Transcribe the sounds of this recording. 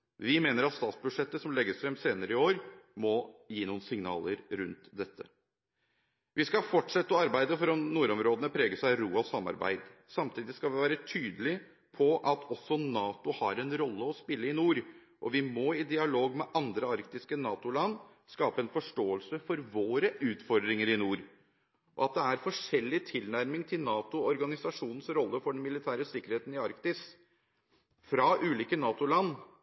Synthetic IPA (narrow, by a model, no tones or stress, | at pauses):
ʋɪmeːnəɾɑt̪st̪ɑːt̪sbʉd̪ʂɛt̪ːəsɔmlɛɡəsfɾɛmseːnəɾəɪoːɾmɔjiːnuːənsɪŋnɑ̰ːləɾɾʉnt̪d̪ɛt̪ʰːə | ʋɪskɑfɔʈʂɛt̪ːəɔɑɾbæɪd̪əfɔɾɔmnuːɾɔmɾoːd̪ənəpʰɾeːɡəʂæɪɾuːɑsɑmːɑ̰ɾbæ̰ɪd̪sɑmt̪ʰiːd̪ɪskɑlʋɪʋæːɾət̪ʰyːd̪əlɪ | pʰɔʔɑt̪ʰɔsːɔnɑːt̪ʊhɑɾɛnɾɔlːəɔspɪlːəɪnuːɾ | ʔɔʋɪmɔɪd̪ɪɑloːɡmɛʔɑnd̪ɾəɑɾkt̪ɪskənɑːt̪ʊlɑnː | skɑːpəɛnfɔʂʈoːəlsəfɔɾʋoːɾəʔʉːt̪fɔɾd̪ɾɪŋəɾɪnuːɾ | ʔɔ̰ɑt̪̚d̪ɛæɾfɔʂɛlːɪt̪ʰɪlnæɾmɪŋt̪ʰɪlnɑːt̪ʊɔɾɡɑnɪsɑʂuːnn̩sɾɔlːəfɔɖnmɪlɪt̪ʰæːɾəsɪkːəɾheːt̪n̩ɪɑɾkt̪ɪs | fɾɑʔʉːliːkənɑːt̪ʊlɑnː